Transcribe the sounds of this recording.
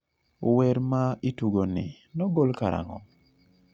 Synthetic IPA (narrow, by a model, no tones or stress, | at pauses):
wɛɾmaituɡonɪ̰ | nɔɡolkaɾa̰ŋɔ̰